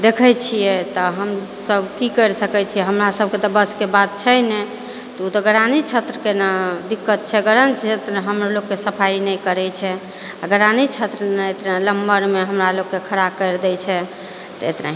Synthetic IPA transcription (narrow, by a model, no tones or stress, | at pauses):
d̪ekʰət͡ʃʰijɛt̪ɔɦəm | səbʱkikəɾsəkɛt͡ʃʰiɛɦəmɾasəb̚ʱket̪ɔbəskebat̪̚t͡ʃʰəjnɛ | t̪ɔut̪ɔɡəɾanit͡ʃʰət̪ɾəkenad̪ikːət̪̚t͡ʃʰɛɡəɾənt͡ʃʰet̪ɾəɦəmɾoloɡkːesəpʰainɛjkəɾɛt͡ʃʰɛ | aɡəɾanit͡ʃʰət̪ɾənaet̪naləmbəɾmeɦəmɾaloɡkːekʰəɾakəɾd̪ɛt͡ʃʰɛ | t̪ɔḛt̪na̰ɦi